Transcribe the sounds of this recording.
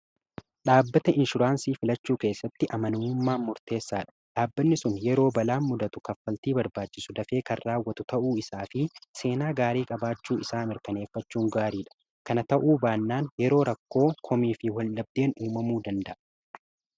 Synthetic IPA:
ɗaːbːɐt̪ɐɪnʃʊɾaːnsiːfɪlɐt͡ʃːuːke̞ːsːɐt̪ːɪʔɐmɐnʊmːaːmʊɾt̪e̞ːsːaːᶑɐ̥ᶑaːbːɐnːɪsʊnjɛɾo̞ːbɐlaːnmʊd̪ɐt̪ʊkɐfːɐlt̪iːbɐɾbaːt͡ʃːɪsʊd̪ɐfe̞ːkɐrːaːwːɐt̪ʊt̪ɐʔuːɪsaːfɪse̞ːnaːɡaːɾiːkʼɐbaːt͡ʃːuːɪsaːmɪɾkɐne̞ːfːɐt͡ʃːuːŋɡaːɾiːᶑɐ̥ | kɐnɐt̪ɐʔuːbaːnːaːnjɛɾo̞ːɾɐkːo̞ːkʰɔmiːfɪwɐlːɐb̚d̪e̞ːnuːmɐmuːd̪ɐnd̪ɐʔɐ̥

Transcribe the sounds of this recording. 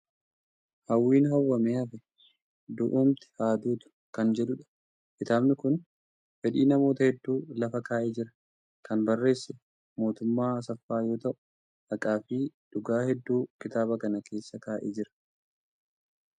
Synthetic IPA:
hɐwːiːnɦɐwːɐmeːɐfɛ | d̪ʊʔuːmt̪ɪ̥haːd̪uːt̪ʊ̥ | kɐnd͡ʒɛᶑʊᶑɐ̥ | kɪt̪aːbnɪkʊn | fɛᶑiːnɐmo̞ːt̪ɐhɛd̪ːuːlɐfɐkaːʔeːd͡ʒɪɾɐ | kɐnbɐrːe̞ːsːɛ | mo̞ːt̪ʊmːaːs̬ɐfːaːjo̞ːt̪ɐʔʊ̥ | ʔɐkʼaːfiːᶑʊɡaːhɛd̪ːuːkɪt̪aːbɐkɐnɐkʰe̞ːsːɐkaːʔḛːd͡ʒɪɾɐ̥

